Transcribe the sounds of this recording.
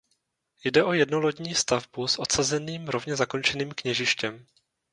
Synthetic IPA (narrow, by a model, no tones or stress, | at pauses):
jdɛʔo̞jɛdnolo̞ɟɲiːst̪avbusʔo̞t̪sazɛniːmɾo̞vɲɛzako̞nt͡ʃɛniːmkɲɛʒɪʃcɛm